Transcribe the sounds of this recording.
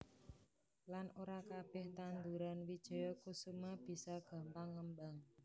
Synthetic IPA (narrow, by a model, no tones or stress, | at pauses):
lanʔoɾakab̥ɛht̪and̪uɾanwid̥ʒ̥ɔ̤jɔkusumab̥i̤sɔɡ̥a̤mpaŋːəmbaŋ